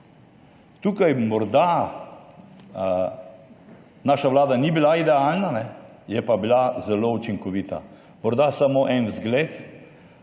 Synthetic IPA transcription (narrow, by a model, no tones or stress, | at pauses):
t̪uːkajmɔɾd̪a | naːʃaʋlaːd̪anibilaid̪ɛalnanɛ | jɛpabilazɛlout͡ʃiŋkɔʋiːt̪a̰ | mɔɾd̪asamoʔɛnzɡleːt̪